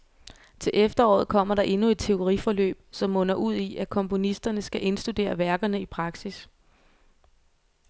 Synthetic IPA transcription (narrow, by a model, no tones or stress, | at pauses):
t͡sʰe̝lʔefd̥ɐɒ̰ːð̩ˠkʰɒ̽m̰ɐɾɑ̈ʔe̝nue̝d̥̚t͡sʰe̝o̝ʁifɒ̽lø̰ːb̥sɒ̽mːɔ̽nɐʔuð̞̰ˠiʔækʰɒ̽mpʰo̝nisd̥ɐnəsɡ̥æʔe̝nsd̥ud̥e̝̰ːɐʋæɐɡ̥ɐnəipʰʁɑ̈ɡ̥sis